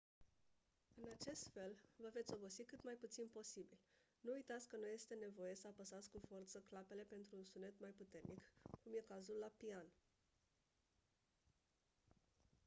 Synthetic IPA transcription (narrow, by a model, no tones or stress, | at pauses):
ɨnat͡ʃe̞st̪fe̞lvəve̞t̪sʲo̞bo̞sikɨt̪majput̪sinpo̞sibil | nuujt̪at̪sʲkənuje̞st̪e̞ne̞vo̞je̞səapəsat̪sʲkufo̞rt̪səklape̞le̞pe̞nt̪ɾuːnsune̞t̪majput̪e̞rnikkumje̞kazulːapian